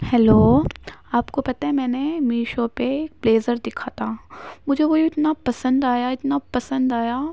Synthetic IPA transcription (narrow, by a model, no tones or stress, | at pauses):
hɛloːaːpkopɐt̪aɦɛ̃mɛ̃ːnemiːʃõpeːk̚bleːzəɾd̪ɪkʰat̪ʰaːmʊd͡ʒʱekoːiɪt̪napɐsə̃nd̪aːjaɪt̪napɐsə̃nd̪aːja